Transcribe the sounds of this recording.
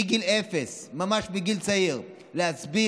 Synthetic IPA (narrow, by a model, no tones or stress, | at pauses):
ɡilefesmamaʃbiɡilt͡saiʁ | lehasbi